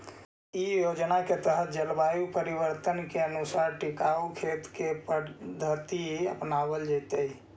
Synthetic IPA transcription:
ijod͡ʒnaket̪əɦət̪̚d͡ʒəlbajupəɾibəɾt̪ənkeənusaɾʈikaukʰet̪kepəd̪ʱət̪iəpnabəld͡ʒajt̪əj

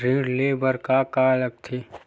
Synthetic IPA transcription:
ɾĩːɽleːbəɾkaːkaːlək̚t̪ʰi

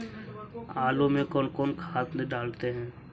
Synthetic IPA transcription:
aːlõmẽkɔːnkɔːnkʰaːt̪nẽɖaːlt̪eɦɛ̃ː

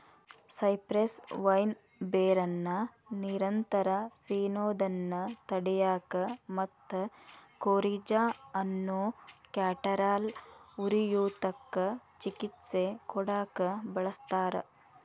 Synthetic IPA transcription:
sɐjpɾesʋɐjn | beːɾɐnːɐ | niɾɐnt̪ɐɾɐsiːnoːd̪ɐnːɐt̪ɐɽɛjaːkɐmɐt̪ːɐkoːɾiːd͡ʒaːɐnːukjaːʈɐɾaːluɾijuːt̪ɐkːɐt͡ʃikit̪sekɔɽaːkɐbɐɭɐst̪aːɾɐ̰

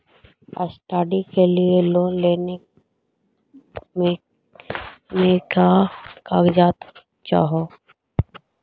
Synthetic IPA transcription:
ə̰sʈaːɖikelieloːleːne | mekakaːɡd͡ʒaːt̪ | t͡ʃa̰ːɦo

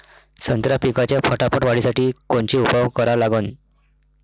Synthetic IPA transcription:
sənt̪ɾapikat͡ɕjafʰəʈapəʈʋaɽ̤isaʈiːkoɳt͡ɕiːupaʋkəɾalaɡən

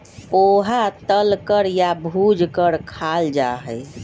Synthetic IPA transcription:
oɦat̪əlkəɾjabʱud͡ʒkəɾkʰald͡ʒaɦɛj

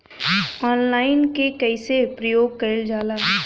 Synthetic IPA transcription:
ɔːnlaːɪnkekɛɪsepɾəjoːɡ̚kəɪld͡ʒaːlaː

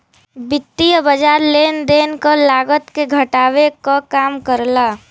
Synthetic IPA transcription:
bɪt̪ːijəbəd͡ʒaːɾleːnd̪eːnkəlaːɡət̪keɡʱəʈaːwekakaːmkəɾlaː

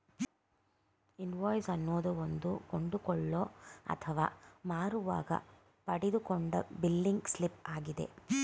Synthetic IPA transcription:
inʋɔːjsɐnːoːd̪ɐond̪ukoɳɖukɔɭːoːɐ̰t̪ʰɐʋa̰ːmaːɾuʋa̰ːɡɐ̰ | pɐɽid̪ukoɳɖɐbilːiŋɡslipaːɡid̪e̞̰

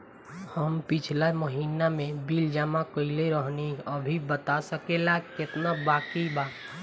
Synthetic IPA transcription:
həmpɪt͡ʃʰlaməɦiːnamẽbild͡ʒamakəileɾəɦniəbʱibət̪asəkelakɪt̪nabaːkiba

